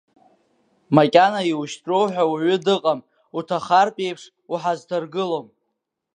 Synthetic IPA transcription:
makʲʼanaiwuʃtʼro̞wħʷᶣawaʕʷʏdɨqʼam | utʰaχarpʼe̞jpʰʂ | uħaztʰarɡɨlom

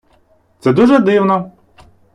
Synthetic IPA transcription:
t̪sɛd̪uʒɛd̪ɪwnɔ

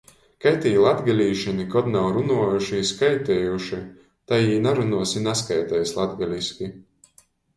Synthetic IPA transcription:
kajt̪ʲiːlˠad̪ɡalʲiːʃinikɔd̪nawɾunuɔjuʃiskajt̪ɛːjuʃi | t̪ajiːnaɾunuɔsinaskajt̪ɛːjslˠad̪ɡalʲiskʲi

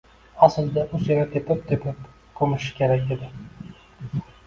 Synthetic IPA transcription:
asɪld̪aʔʊseɾat̪ʰepʰɪp̚t̪ʰepʰɪp | kʰɵmɪʃɪ̥kʲʰeɾakʲed̪ɪ

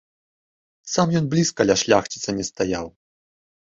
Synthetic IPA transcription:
samjɔnblʲiskɐlʲaʂlʲaxt͡ɕit̪sɐnʲɛst̪aja̰w

